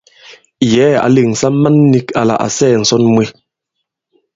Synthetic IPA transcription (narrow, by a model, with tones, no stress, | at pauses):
jɛ˨˦a̰˨li˦˨ŋ̩˨sa˦ma˦nːi˦ka˨la̰˨ʔa̰˨sɛː˦˨n̩˨sɔ˦nmwe˦